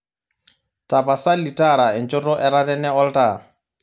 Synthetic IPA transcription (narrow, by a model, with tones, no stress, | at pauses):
tʼa˨ba˨sa˦li˨tʼa˨ɾa˨ɪ˨nt͡ʃʼo˦ro˦ʔɛ˦ɾa˦rɛ˦nɛ˦ɔ˦lta˨